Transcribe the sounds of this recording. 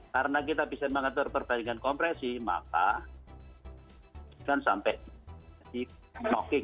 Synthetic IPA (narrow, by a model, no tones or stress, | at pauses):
kaɾənakit̪ab̥isanməŋət̪ʊrpərb̥aɪŋankɔmpɾɛsima̰ka̰ | kansa̰mpɛʔdi | nɔkɪŋ